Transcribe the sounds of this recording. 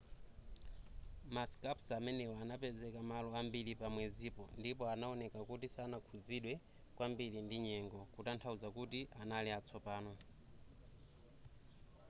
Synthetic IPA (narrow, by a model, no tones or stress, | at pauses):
maskapsamɛnɛwɔanapɛzɛkamalɔambilipamwɛzipɔndipɔanaɔnɛkakutisanakʰud͡ziɗwɛ | kwambilindiɲɛŋɡɔkutantʰaud͡zakutiʔanalɛat͡sʰɔpaːnɔ